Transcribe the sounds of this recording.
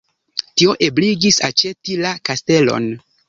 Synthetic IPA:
tio̞ʔe̞bliɡisat͡ʃe̞tilakaste̞lo̰n

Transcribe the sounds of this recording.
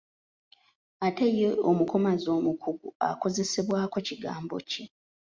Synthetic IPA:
atejeomukomazo̞ːmukʰuɡṵa̰ko̞ze̞seβwaːko̞ciɡa̰ːmbo̞̰ce

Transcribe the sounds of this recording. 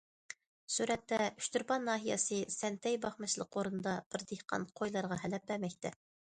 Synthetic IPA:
suɾɛt̪ːɛy̥ʃt̪yɾpɑnːɑːɦijɑ̰sɨsɛnt̪ʰɛjbɑχmɨʃlˠəqoɾɨnd̪ɑb̥ɪɾd̪ehqɑ̰nqʰojlˠɑɾʁɑɦɛlɛp̚bæɾmɛk̚ʲt̪ɛ

